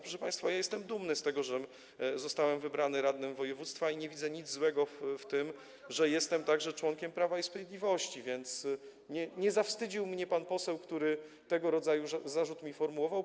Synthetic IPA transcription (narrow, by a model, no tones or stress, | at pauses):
pɾɔʂɛpaj̃st̪fajajɛst̪ɛmd̪umnɘst̪ɛɡɔʐɛ | zɔst̪awɛmvɘbɾanɘɾad̪nɘmvɔjɛvut̪st̪faiɲɛvʲid̪zɛɲid̪zzwɛɡɔft̪ɘm | ʐɛjɛst̪ɛmt̪aɡʐɛt͡ʂwɔŋkʲɛmpɾavaispɾavʲjed̪lʲivɔɕt͡ɕivʲjɛnt̪s | ɲɛɲɛzafst̪ɘd͡ʑiwmɲɛpanpɔsɛwkt̪uɾɘ | t̪ɛɡɔɾɔd̪zajuzaʐut̪mʲifɔɾmuwɔvaw